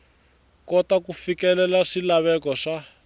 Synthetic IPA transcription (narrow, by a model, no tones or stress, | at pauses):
kɔtakufikɛlɛlaʂilaβɛkɔʂa